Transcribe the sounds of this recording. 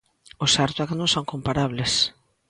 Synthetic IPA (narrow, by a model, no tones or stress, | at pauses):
osaɾt̪waknõŋsoŋkompaɾaβlɪs